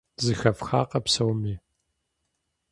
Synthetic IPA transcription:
zɨxɐfxaːqʼɐpsɐwmiː

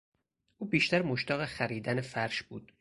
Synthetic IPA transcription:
ʔuːbiːʃt̪æɾmoʃt̪æːɣexæɾiːd̪ænefæɾʃb̥uːd̪̥̚

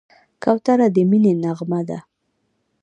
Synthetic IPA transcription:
kawt̪aɾad̪əminenaɣmad̪a̰

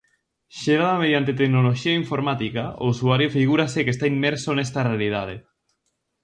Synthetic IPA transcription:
ʃeɾaðameð̞jant̪̬et̪eknoloʃiaiɱfoɾmat̪ikaousuaɾjofiɣuɾasekest̪aimːeɾsonest̪arealið̞að̞e

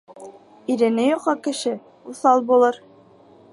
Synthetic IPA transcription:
iɾɘ̆nɘjuqɑkɘ̆ʃɘ | uθɑlˠbulˠɤɾ

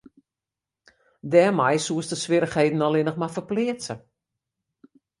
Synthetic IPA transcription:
dɛːmajsuəstəsʋɪɾəxhejdn̩ɔlˠɪnəχmafəplɪəsə

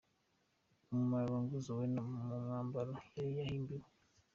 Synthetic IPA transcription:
mumaβaŋɡuzowenammuŋaːmbalajaɾijahimbiɾo

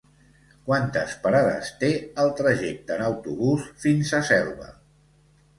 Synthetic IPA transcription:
kwant̪ə̰spaɾaðə̰st̪eəlˠt̪ɾəʒek̚t̪ənəwt̪uβusfinsəsɛlˠβə̰

